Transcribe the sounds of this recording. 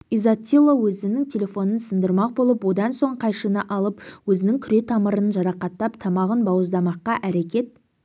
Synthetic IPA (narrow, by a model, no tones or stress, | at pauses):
izat̪ʲːilˠːowɵzɪnɪŋt̪ʲʰe̞lʲe̞fo̞nənsənd̪əɾmɑq̚bolˠəpwo̞d̪ɑnso̞ɴqʰɑjʃənəʔɑlˠəpwɵzɪnɪŋkʲʰʏɾe̞t̪ʰɑməɾənʒɑɾɑqɑt̪ːɑpt̪ʰɑmɑʁənbɑwəzd̪ɑmɑqːɑʔæɾe̞kʲe̞t̪̚